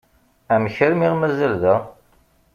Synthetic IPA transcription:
æmçəɾmiʁmæzælðəʁ

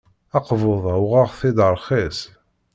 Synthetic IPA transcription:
ɑqvoðˤawʁɑʁθɪd̪əɾˤχes

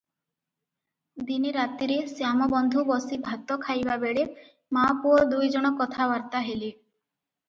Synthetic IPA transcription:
d̪iniɾat̪iɾesjamɔbɔnd̪ʱubɔsibʱat̪ɔkʰajbabeɽe | mapuɔɾd̪ujd͡ʒɔɽ̃ɔkɔt̪ʰabaɾt̪aɦeli

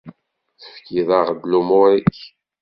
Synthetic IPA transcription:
θə̥fkiðaʁd̪lumʊɾiç

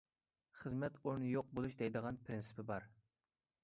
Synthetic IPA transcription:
χəzmɛt̪oɾnɨjoq̚bolˠuʃd̪ɛjd̪əʁɑnpʰɾɪnsɪ̥pʰɪbɑɾ

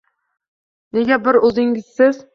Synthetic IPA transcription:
neɡʲɛbɪɾɵzɪŋʲɪz̥sɪz

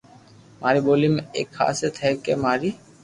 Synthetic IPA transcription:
mʔaɾibolimḛkʰːa̰set̪ʰɛkemaɾi

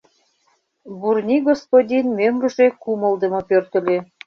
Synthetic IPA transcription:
burnʲiɡospod̪ʲinmømrə̆ʒekumə̆lˠd̪ə̆mɤ̆pørt̪ə̆lʲe

